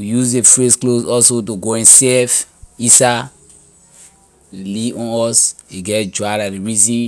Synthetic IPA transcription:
ijuzefɹesklosɔlsotoɡoɛ̃nsɛf | isa | liʔɔ̃nɔseɡɛtd͡ʒwaladiɹizĩ

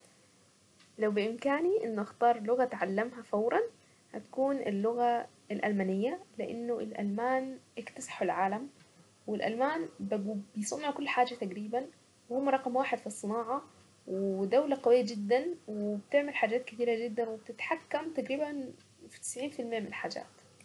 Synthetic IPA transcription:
lawbɪʔɪmkaːniʔɪnːʊʔaxt̪ɑːɾˤlʊɣat̪ʕalːamɦafawɾˤɑn | hat̪ḁkuːnʔɪ̰lːʊɣa | ɪlʔa̰lmaːnɪjːalɪʔɪ̰nːʊʔɪlʔa̰lmaːnʔɪkt̪asɑ̥ħʊlʕaːlam | wɪlʔa̰lmaːnbbɪjsˤɑnːhakʊlːħaːd͡ʒat̪aɡɾiːban | wɪhʊmːɾˤɑqɑmwaːħɪd̪fisˤːɨnɑːʕɑ | wɪd̪awlaqɑwɪjːad͡ʒɪd̪ːanwɪbt̪ɪʕmɪlħaːd͡ʒaːt̪̚kɪt̪iːɾad͡ʒɪd̪ːanwɪb̚t̪ɪt̪ħakːamt̪aɡɾiːban | fi̥t̪ɪ̥sʕiːnfɪlmɪjːamɪnɪlħaːd͡ʒa̰ːt̪

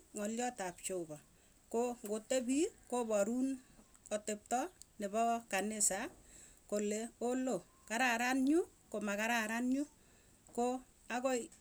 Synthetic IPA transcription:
ŋɔljɔtap̚t͡ʃobɔ | koŋɡotːebikobɔɾun | ɔtɪp̚tɔnɪbɔkanɪsa | koleolo | kaɾaɾanɲʊkomakaɾaɾanɲʊ | ko | akoj

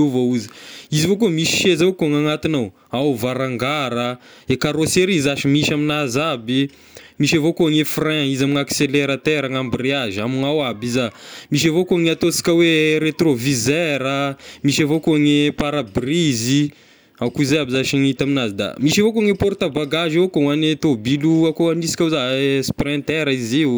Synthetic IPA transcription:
evouzi̥izivokumiʃi̥ʃezaokuaŋaŋat̪inaw | awvaɾaŋɡaɾə | ekaɾoseɾizaʃimiʃaminazabi | miʃavokoaŋefrɛ̃izamiŋakseleɾat̪eɾaŋambireazamiŋawabizamiʃ̬avokoaŋat̪osi̥kʲaweɾet̪rovizeɾəmiʃavokoaŋepaɾabrizi | akuizejabizaʃiŋit̪aminazid̪a̰miʃavokoaŋepoɾt̪abaɡaʒivokoanet̪obiluakoanisi̥kʲazasprɛ̃nt̪ɛɾaiziw

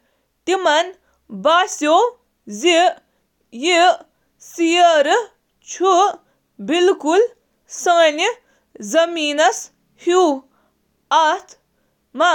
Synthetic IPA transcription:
t̪imɐn | baːsjoː | zi | ji | siɐɾɨ | t͡ʃʰu | bilkul | sɐni | zɐmiːnɐs | hu | ɐt̪ʰ | ma

